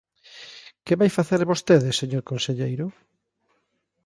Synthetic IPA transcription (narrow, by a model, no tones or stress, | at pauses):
keβajfaθeɾβost̪eðɪseɲoɾkonseʎejɾʊ